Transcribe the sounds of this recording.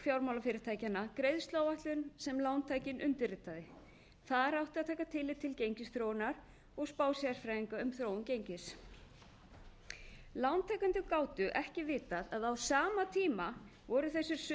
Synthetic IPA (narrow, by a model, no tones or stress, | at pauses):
fjawɾmawlafɪːɾɪɾ̥t̪ʰajcanːakɾejðst̪loːwvaht̪lʏnsɛmlawnt̪ʰaːjcɪnʔʏnt̪ɪrɪt̪aðɪ | θaðaɾawht̪ɪaðt̪ʰaːkat̪ʰɪlːɪt̪ʰːɪlcejɲcɪstθɾownaɾ | ɔɣspaːwsiasfɾajiŋkaʏmθɾoːwʏncejɲcɪs | lawnt̪ʰajkʏnt̪ʏkaːwt̪ʏʔɛhcɪvɪːt̪aðaðawsaːmat̪ʰiːma | vɔɾʏθɛsːʏɾ̥s